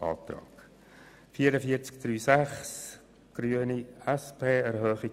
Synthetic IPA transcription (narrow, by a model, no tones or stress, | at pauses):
ʔɑ̰ːt̪ɾɑ̰ːk | fiːəɾəfiət͡skd̪̥ɾyːsæχs | ɡ̥ɾyːəniɛspʰeːɛɾhœːχi